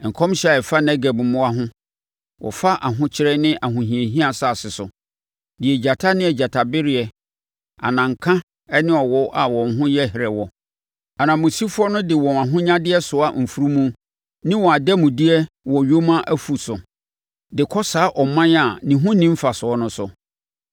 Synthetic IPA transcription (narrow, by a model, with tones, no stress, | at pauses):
ŋ̩˨kʰɔ̃˦mɕɛ˦˨ɛ˨fa˦nɛ˦ɡɛ˨bmʊ̃˦a˦ɦʊ̃˦ | wʔɔ̰˨fa˦ʔa˨ɦʊ̃˦t͡ɕʰɪ˦ɾɛ˦nɪ̃˦ʔa˨ɦʊ̃˨ɦĩ˨e˨ɦĩ˦a˦˨sa˦˨sɪ˨sʊ˨ | dɪ˨ɛ˨d͡ʑa˨tʰa˦nɪ̃˦ɛ˨d͡ʑa˨tʰa˨bɪ˦ɾɪ˦ɛ˨ | a̰˨nã˨ŋ̩˨kʰã˦ | ɛ˦nɪ̃˦ɔ˨wɔ˦ʔa˨wɔ̃˨ɦʊ̃˦jɛ˦hɪ˨ɾɛ˨wɔ˨ | a˨nã˨mʊ̃˨si˦fʊ˦ɔ˦nʊ̃˦dɪ˨wɔ̃˨a˨ɦʊ̃˦ɲã˦dɪ˦ɛ˦sʊ˨a˨m̩˨fu˦ɾu˦mũ˦ | nɪ̃˦wɔ˨a˨dɛ˦mʊ̃˨di˦ɛ˦ | wɔ̃˨ɥo˦mã˦ʔæ˦fu˨sʊ˨ | dɪ˨kʰɔ˦sa˨˦ʔɔ˨mã˦na˨nĩ˨ɦʊ̃˦nĩ˦m̩˦fa˨sʊ˨ɔ˦nʊ̃˦sʊ˨